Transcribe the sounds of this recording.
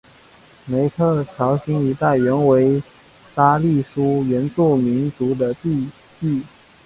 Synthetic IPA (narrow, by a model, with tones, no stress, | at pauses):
me˧˥ɪt̪ʰɤ˥˩t͡ɕʰjɑ˧˥ʊɕi˧˥ŋi˧˥t̪a˥˩ɪɥɛ˧˥nwe˧˥ɪ | sa˥li˥˩ʂu˥ɥɛ˧˥nt͡su˥˩mi˧˥nt͡su˧˥d̪ə˧t̪i˥˧ | ti˥˩